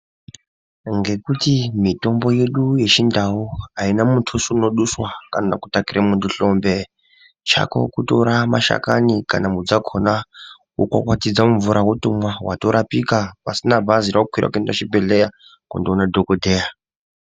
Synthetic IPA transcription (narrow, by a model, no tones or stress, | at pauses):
ŋɡe̞kutimito̞mbo̞je̞ɗuje̞t͡ʃindawuainamutʰusuno̞ɗuswakanaku̥takiɾʔamuntuɬo̞mbe̞ | t͡ʃa̰ko̞̰kuto̞ɾamaʃa̰ka̰nika̰namud͡zakʰona | wokwa̰kwatid͡zamuɱvuɾʔaɦutumwawato̞ɾapikapasinabʱaziɾakukwiɾʔa̰kuendaʃibʱeɮeja | kundiunadʱokodʱeːja